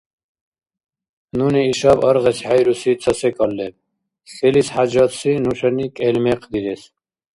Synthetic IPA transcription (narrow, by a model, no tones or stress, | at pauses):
nuniːʃabəɾʁɛshajɾusit͡sʰʼəsɛkʼɔlːɛm | selishad͡ʒɔt̪sinuʂənikʼɛlmɛqʰd̪iɾɛs